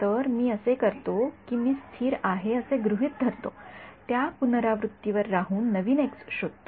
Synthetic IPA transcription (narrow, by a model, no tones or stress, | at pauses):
t̪əɾmiːəsekəɾt̪okiːmiːst̪ʰiːɾaɦeəseɡɾuɦiːt̪̚d̪ʱəɾt̪ot̪japunɾaʋɾut̪ːjiʋəɾːaɦuːnːəʋiːneksɕod̪̚t̪o